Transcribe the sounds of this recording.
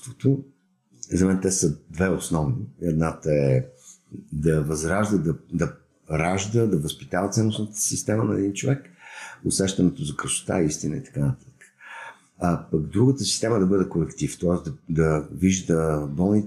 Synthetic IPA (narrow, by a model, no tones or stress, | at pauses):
t̪vot̪o | zɐmɛnt̪ɛsəd̪vɛosnɔvniɛd̪nat̪əɛ | d̪ɐvɐzɾaʒd̪əd̪ɐd̪ɐ | ɾaʒd̪əd̪ɐvəspit̪avət̪sɛnːʊsnət̪ə̥sist̪ɛmənɐɛd̪int͡ʃovɛkʊsɛʃt̪ɐnɛt̪ozɐkɾəʃʊ̥t̪a̰ist̪inəit̪ɐ̥kanət̪at̪ə̥kə̥ | ɐpɐɡd̪ɾuɡət̪əsi̥st̪ɛməd̪ɐbɤd̪ɛkolɛkt̪ift̪ɔɛzd̪ɐd̪ɐviʒd̪əbɔlˠni